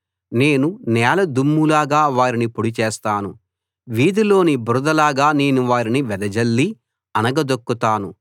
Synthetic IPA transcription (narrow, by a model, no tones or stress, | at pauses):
ne̞ːnunɛːlɐd̪umːulaːɡaːʋaːɾinipuɽit͡ʃeːst̪aːnu | ʋiːd̪ilo̞ːnibɾud̪ɐlaːɡaːne̞ːnuʋaːɾiniʋɛd̪ɐd͡ʒɐlːi | ɐnɐɡɐd̪okːut̪aːnu